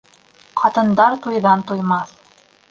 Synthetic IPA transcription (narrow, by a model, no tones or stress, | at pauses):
qʰɑt̪ɤ̆nd̪ɑɾt̪ujðɑnt̪ujmɑθ